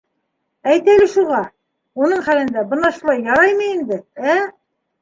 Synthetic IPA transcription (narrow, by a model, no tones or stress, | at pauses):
æjt̪ælɘʃuʁɑ | unɤɴχælɘ̆nd̪æbɤ̆nɑʃulˠɑjːɑɾɑjmɤ̆ind̪ɘæ